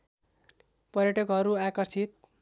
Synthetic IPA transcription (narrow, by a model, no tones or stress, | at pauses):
pʌɾjʌʈʌkɦʌɾuakʌrt͡sʰit̪̚